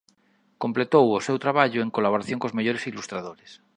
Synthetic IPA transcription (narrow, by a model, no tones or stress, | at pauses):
komplet̪owosewt̪ɾaβaʎoeŋkolaβoɾaθjõŋkozmeʎoɾesilust̪ɾaðoɾes